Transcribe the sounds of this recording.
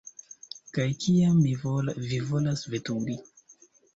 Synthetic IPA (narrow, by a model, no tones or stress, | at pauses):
kajkʰiamːivivolasvetuŋɡi